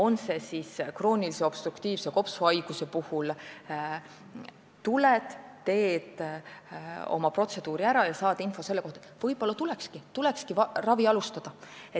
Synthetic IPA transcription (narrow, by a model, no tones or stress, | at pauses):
o̞nse̞siskro̞ːnilise̞o̞b̥st̪rukt̪iːv̥seko̞psvɑjɡ̥use̞puhul | t̪uled̪ː | e̞ːd̪ | o̞̰mɑpro̞t̪se̞d̪̥uːɾiæɾɑjɑsɑːd̪info̞se̞lːeko̞ht̪ɑevɤjb̥o̞lːɑt̪ulekskit̪ulekskiɑrɑviɑlust̪ɑd̪̥ɑe